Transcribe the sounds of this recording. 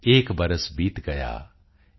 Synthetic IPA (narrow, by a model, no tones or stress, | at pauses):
eːkbɐɾəsbiːt̪ɡɐja̰ː